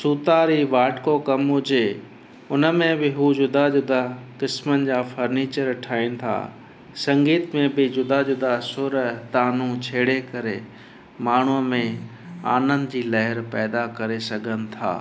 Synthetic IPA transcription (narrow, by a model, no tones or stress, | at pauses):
suːt̪aːɾiʋaːʈkokɐmɦʊd͡ʑe | ʊnəmẽbɪɦud͡ʑʊd̪ad͡ʑʊd̪akɪsmənɪ̆d͡ʑaːfɐɾniːt͡ɕəɾɐʈʰaːĩnɪ̆t̪ʰa̰ː | sɐ̃ŋɡiːt̪mẽbɪd͡ʑʊd̪aʊd̪asʊɾt̪aːnũt͡ɕʰeːɽekɐɾe | maːɳ̤uəmẽ | a̰ːnə̃nd̪d͡ʑiːlɐɦɪɾpɛːd̪akɐɾesɐɡʱənɪ̆t̪ʰa̰ː